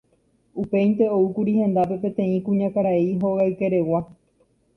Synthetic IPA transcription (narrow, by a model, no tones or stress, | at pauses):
upe̞jnt̪e̞oɨkuɾihẽ̞nd̪ape̞pẽ̞t̪ẽ̞ĩkũɲãkaɾaiɦo̞ɣajke̞ɾe̞wa